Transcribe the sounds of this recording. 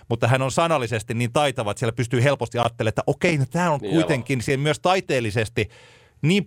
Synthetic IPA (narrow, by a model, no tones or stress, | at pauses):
mut̪ːɑɦænonsɑnɑlːisest̪iniːnt̪ɑit̪ɑʋɑt̪sieælæpyst̪yːhelpost̪iɑːt̪ːelet̪ːæʔokeinot̪æːoŋkuit̪eŋkˑinsimmyøst̪ɑit̪eːlːisest̪i | niːm